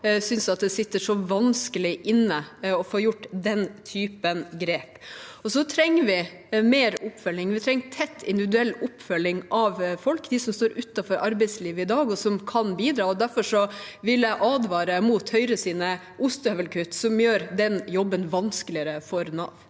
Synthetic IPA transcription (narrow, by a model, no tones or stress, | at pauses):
sʏnsɑt̪d̪ɛsɪt̪ːəʂɔʋɑnskəlɪʔɪnːəɔfoːjʊʈːd̪ɛnt̪ʰyːpənɡɾeːpɔsɔt̪ʰɾɛŋːəʋɪ | meːɾʊpːfœlːɪŋʋɪt̪ʰɾɛŋːʈʰɛt̪ʰːɪ̰nd̪ɪʋɪd̪ʉɛlːʊpːfœlːɪŋʔɑʋfɔlkd̪ɪsɔmst̪oːɾʉt̪ːɑfɔɾʔɑɾbɛɪsliːʋəɪd̪ɑːɡɔsɔmkʰɑnbiːd̪ɾɑːɔd̪æɾfɔʂɔʋɪlæɪʔɑːd̪ʋɑːɾəmuːt̪hœʏɾəsiːnə | ʔʊst̪œʋəlkʰʉt̪ːsɔmjøːɾd̪ɛnjɔbːənʋɑnskəlɪəɾəfɔɾnɑ̰ʋ